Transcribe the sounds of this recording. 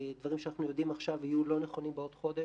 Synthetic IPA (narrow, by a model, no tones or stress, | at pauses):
d̪vaʁimʃanaχnujo̞d̪imaχʃavijulo̞neχo̞nimbeot̪χo̞d̪e